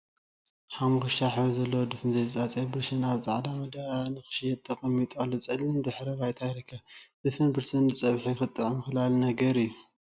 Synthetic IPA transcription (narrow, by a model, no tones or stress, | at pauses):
ħamxɨʃaħβzɐlːɐwod̪ɨfɨnzɐjzɨt͡sʼat͡sʼebɨɾsɨnaβzʼa̰ʕd̪amɐd̪anɨxɨ̥ʃijɛt̪ʼʰːɐqʼɐmːit̪ʼalːot͡sʼɨlːɨmd̪ɨħɾɐβajt̪ʰajɾɐkʰːad̪̥ɨfɨnbɨɾsɨnɨt͡sʼɐβħuxɨt̪ʼːɨʕmɨxɨlalnɐɡɐɾɨjːu